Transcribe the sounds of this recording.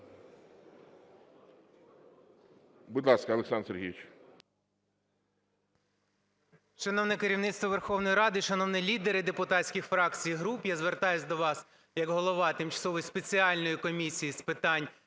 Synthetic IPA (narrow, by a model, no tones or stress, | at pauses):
bud̪lˠɑskɐɐlˠeksɑnɾseɾɦʲḭʋʲɪt͡ʃ | ʃɐnɔwnɛkeɾʲiwnɪt̪st̪ʋɔʋerxɔwnɔjiɾɑd̪ɪʃɐnɔwnɛlʲid̪eɾɪd̪epʊt̪ɑtsʲkʲixfɾɑk̚t͡sʲijɦɾupjazʋert̪ɑjʊsʲd̪ɔʋɑs | jɐɡɦɔlˠɔʋɑt̪ɪmt͡ʃɐ̥sɔʋɔjspet͡sʲiɑlʲnɔjikɔmʲisʲijispɪt̪ɑnʲ